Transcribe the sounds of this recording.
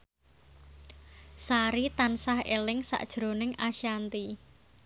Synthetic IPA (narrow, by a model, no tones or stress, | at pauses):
saɾit̪ansahelɪŋsa̰ʔd̥ʒ̥ɾo̤nɪŋaʃiant̪i